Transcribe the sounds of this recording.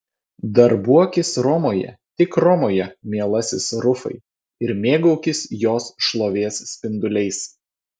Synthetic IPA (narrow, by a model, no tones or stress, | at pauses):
d̪ɐɾbuɔkʲɪsɾɔmoːjɛ̰t̪ʲɪkɾɔmoːjɛmʲiɛlˠɐsʲɪsɾʊfɐ̰ɪ | ɪɾmʲeːɡɐʊkʲɪsjoːsʃlˠoːʋʲeːsːʲpʲɪnd̪ʊlʲɛɪs